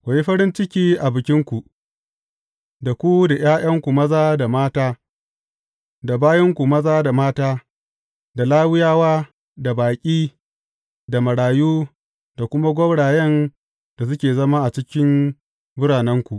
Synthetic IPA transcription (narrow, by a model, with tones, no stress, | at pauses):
kʷa˨ji˦ɸɐ˦ɾɪ˦nt͡ʃɪ˦kʲiː˦ʔa˨bɪ˨kʲɪ˦ŋkʷu˨ʔ | da˨kʷu˦da˨j̰aː˦j̰ɐ˦ŋkʷu˨mɐ˦zaː˦da˨maː˦taː˦ | da˨baː˦jɐ˦ŋkʷu˨mɐ˦zaː˦da˨maː˦taː˦ | da˨laː˦wɪ˦jaː˦waː˦ | da˨baː˨kʲʼiː˦ | da˨mɐ˨ɽaː˨juː˦ | da˨kʷʊ˦ma˦ɡʷɔ˦bɽaː˨jɐ˦n | da˨s̬ʊ˦kʲeː˨zɐ˦ma˦ʔa˨t͡ʃɪ˦kʲɪ˦m | bʊ˦ɽaː˨nɛ˦ŋkʷu˨ʔ